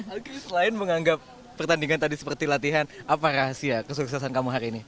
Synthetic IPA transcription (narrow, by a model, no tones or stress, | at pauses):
okesəlaɪnməŋaŋɡap̚ː | ərt̪andiŋant̪adisə̥pərt̪ilat̪iɦanʔapaɾasiakəs̬uksasankamuɦaɾiːni